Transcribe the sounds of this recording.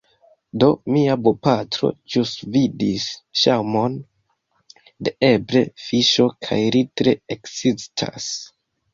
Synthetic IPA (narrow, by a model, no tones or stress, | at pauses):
do̞miabopatɾo̞̰d͡ʒusvidisʃawmo̞n | deebɾe̞fiʃo̞kʰa̰jɾitɾe̞eksistʰa̰s